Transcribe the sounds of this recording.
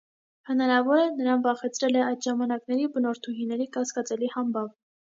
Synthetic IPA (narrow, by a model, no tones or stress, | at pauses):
hənɑɾɑvɔɾənəɾɑnvɑχɛt͡sʰɾɛlɛɑjd̪ʒɑmɑnɑknɛɾibənɔɾt̪ʰuɦinɛɾikɑskɑt͡sɛlihɑmbɑv